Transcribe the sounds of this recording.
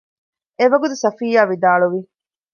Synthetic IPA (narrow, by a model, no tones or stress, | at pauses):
eʋɐɡut̪̬usɐfiːjaːʋid̪aːɭuʋi